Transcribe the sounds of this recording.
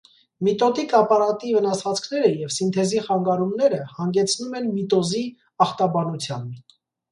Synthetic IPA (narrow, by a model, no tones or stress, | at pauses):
mit̪ɔt̪ikɑpɑɾɑt̪ivənɑsvɑt͡skʰn̪ɛɾəjɛvsint̪ʰɛziχɑŋɡɑɾumnɛɾəhɑŋɡɛt͡sʰnumɛnmit̪ɔzi | ɑχt̪ɑbɑnut͡sʰjɑn